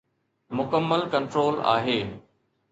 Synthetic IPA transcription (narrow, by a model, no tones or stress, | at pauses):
mʊkəmːəlkɐ̃ɳʈɾoːla̰ːɦeː